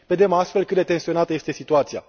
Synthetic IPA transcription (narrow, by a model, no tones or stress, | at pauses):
ve̞d̪e̞mast̪fe̞lkɨt̪d̪e̞t̪e̞nsio̞nat̪əje̞st̪e̞sit̪uat̪sija̰